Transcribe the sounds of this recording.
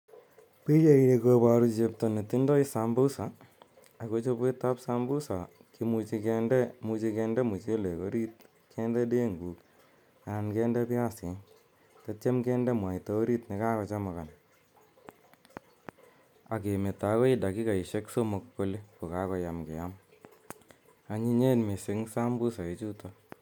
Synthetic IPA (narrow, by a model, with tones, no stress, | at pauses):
pi˦je˦i˨ɾe˨koba˨ɾu˦t͡ʃe˧pto˨ne˨t̪i˦ndɔ˦isambu˦sa˨ | a˨ko˦t͡ʃo˦pe˦ta˦psambu˦sa˨ | kimu˧t͡ʃi˧kɛndɛ˦mu˧t͡ʃi˧kɛ˧ndɛ˦mu˨t͡ʃe˦le˨ko˦ɾi˦t̚ | kʰɛndɛ˦de˦ŋɡu˨k | ankɛ˦ndɛ˦pija˦se˨ | ta˦t͡ʃe˦mkɛ˦ndɛ˦mwa˨i˨to˦o˦ɾi˦tne˦ka˦kɔ˧t͡ʃa˦ma˨ka˨n | a˨ke˨me˨ta˨˦kɔ˦i˦da˨ki˦ka˨i˨ʃe˦kso˦mo˨kːo˦le˦ko˨ka˦kɔ˦ja˨mkḛ˨ja˦m | a˨ɲi˦ɲe˦nme˨se˨˦ŋsa˦mbu˦sa˨e˨t͡ʃu˦tɔ